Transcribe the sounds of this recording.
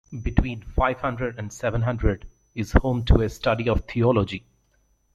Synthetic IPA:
bɪʈwĩːnfaɪʋhʌ̃ɳɖɾəɖæ̃ɳɖsɛʋə̃nɦʌ̃ɳɖɾəɖ | ɪz̥hõːmʈʰuesʈʌɖiɔʋt̪ʰiɔlɔd͡ʒi

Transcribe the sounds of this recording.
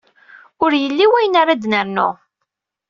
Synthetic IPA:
ʊɾjəlːiwæjnaɾad̪nəɾnʊ̰

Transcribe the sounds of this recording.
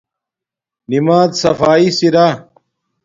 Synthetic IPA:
nimaːd̪sɐfaːisiɾaː

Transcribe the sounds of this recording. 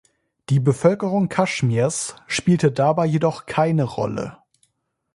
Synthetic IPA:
d̥iːbəfœlkəʁʊŋkʰaʃmiɐsʃpiːltədaːbaɪjedɔχkʰaɪnəʁɔ̰lə̰

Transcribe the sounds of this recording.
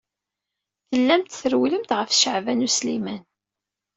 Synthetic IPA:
θəlːæmt̪θəɾwləmt̪ʁəfʃəʕvænuslimæn

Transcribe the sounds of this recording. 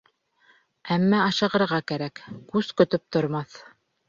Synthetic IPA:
æmːæɑʃɤ̆ʁɤ̆ɾʁɑkæɾækkʉzkɵ̆t̪ɵp̚t̪ŏɾmɑθ

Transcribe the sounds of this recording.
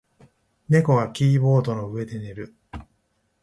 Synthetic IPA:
ne̞ko̞ɡakʲiːbo̞ːd̪o̞no̞ɯ̟e̞d̪e̞ne̞ɾɯ̟

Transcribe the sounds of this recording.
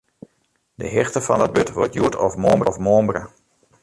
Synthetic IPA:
dəɦɪxtəfɑndɔt̚bøtʋɔ̰tjuətʰɔfmoːmbɔfmoːmbrə̰

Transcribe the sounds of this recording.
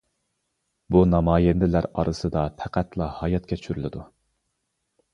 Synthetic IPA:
bunɑmɑːjend̪ɪlæɾɑ̰ɾʔɨsɨd̪ɑt̪ʰæqʰæt̪ʰlˠɑhɑjɑt̪̚kʲʰɛt͡ʃt͡ʃʰyɾylɪd̪u

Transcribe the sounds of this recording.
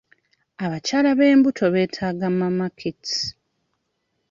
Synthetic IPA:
aβacaːlaβe̞ːmbutʰo̞βe̞ːtʰaːɡamamakʰiti̥

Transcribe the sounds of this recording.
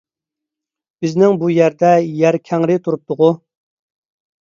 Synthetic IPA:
b̥ɪznɪŋbujæɾd̪ɛjæɾkʲʰɛŋɾɪt̪ʰuɾup̚t̪ʊʁʊ

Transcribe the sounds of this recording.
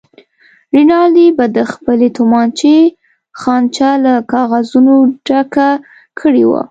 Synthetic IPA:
ɾinɑlibad̪əxpəlet̪ʊmɑnt͡ʃe | xɑnt͡ʃalakɑɣazunoɖaka | kʰəɽiwa̰

